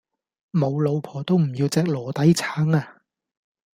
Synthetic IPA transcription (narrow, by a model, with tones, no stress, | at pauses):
mo˨˧wlo˨˧wpʰɔː˨˩t̪o˥wm̩˨˩jiː˧wt͡sɛː˧k̚lɔː˨˩t̪ɐ˨˥jt͡sʰaː˨˥ŋaː˧